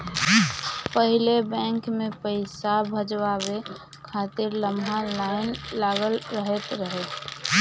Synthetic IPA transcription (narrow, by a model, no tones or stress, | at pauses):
pəɦilebɛ̃ŋkmepəɪsabʱəd͡ʒʋabe | kʰat̪ɪɾləmʱalaɪnlaɡəlɾəɦɛt̪ɾəɦɛt̪